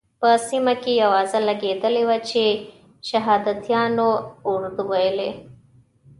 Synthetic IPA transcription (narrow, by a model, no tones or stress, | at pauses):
pɐsimɐkiɐʋaːzɐlɐɡeːt̪ɐliʋɐt͡ʃe | ʃɐɦaːd̪ɐt̪jaːnouɾd̪uʋɐjle